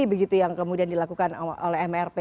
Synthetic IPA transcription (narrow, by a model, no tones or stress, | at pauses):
ibəɡit̪ujaŋkəmudiandilakukano̰lɛɦɛmɛrpe